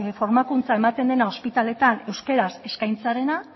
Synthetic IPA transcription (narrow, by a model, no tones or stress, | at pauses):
fo̞ɾmakunt͡sae̞mat̪e̞nd̪e̞nao̞spit̪ale̞t̪anewske̞ɾase̞skajnt͡saɾe̞na